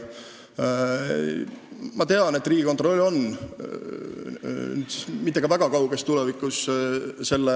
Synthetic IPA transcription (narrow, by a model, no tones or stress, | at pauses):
mɑt̪e̞ɑne̞t̪ːˑriːɡiko̞nt̪ˑro̞lʲːo̞n | yd̪mit̪ːeɡ̥ɑvæɡ̥ɑkɑwɡ̥est̪ːulevikːˑusse̞lːe